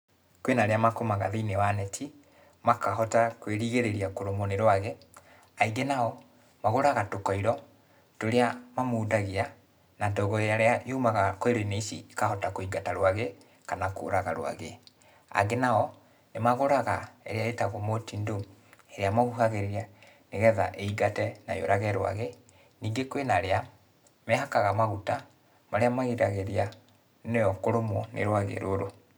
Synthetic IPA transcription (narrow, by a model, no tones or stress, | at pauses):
kwenaɾeamakomaɣaðiinewanɛtʰi | makaɦɔtakweɾiɣeɾeɾiakoɾomoneɾwaɣe | aiɡenaɔ | maɣoɾaɣatokɔiɾɔ | toɾeamamoːdaɣia | nantɔɣɔeaɾeaʔiumaɣakoeɾoineisḭikahɔtakoiɡataɾwaɣe | kanako̰ɾaɣaɾw̰a̰ɣe | a̰ɡenaɔ | nemaɣoɾaɣaɛ̰ɾeaetaɣomotindoɛɾeamaɣuɦaɣeɾia | neɣɛðaʔeiɡatɛna̰jo̰ɾaɣɛɾwa̰ɣe | niːŋɡekwenaɾea | mɛɦakaɣamaɣuta | maɾeamaɣiɾaɣeɾia | nejɔkoɾomwɔnḛɾwaɣḛɾoɾo